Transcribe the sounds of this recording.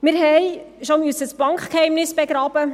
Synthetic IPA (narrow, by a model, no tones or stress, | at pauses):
mɪɾɦɛjʃɔmysəsb̥ɑŋkχkhɛjmnɪsb̥ɛɡɾɑːb̥ə